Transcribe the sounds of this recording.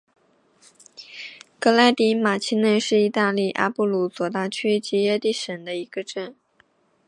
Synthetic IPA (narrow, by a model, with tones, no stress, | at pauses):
kɤ˥la˥ɪt̪i˧˥ma˨˩t͡ɕʰi˥nə˥˧nʂɻ̩˥˩i˧˥t̪a˥˧li˥˩ʔa̰˥pu˥˩lu˧˥t͡swɔ˨˩t̪a˥˩t͡ɕʰy˥t͡ɕi˧˥jɛ˥˧t̪i˥˩ʂə˨˩nd̪ə˦i˧˥ɡə˧ʈ͡ʂə˥˩n